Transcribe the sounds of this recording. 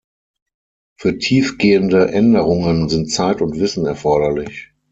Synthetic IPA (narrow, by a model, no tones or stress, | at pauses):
fyːɐtʰiːfɡ̥eːəndəʔɛndəʁʊŋənzɪntt͡saɪtʊntv̥ɪsn̩ɛɐfɔɐɾɐlɪç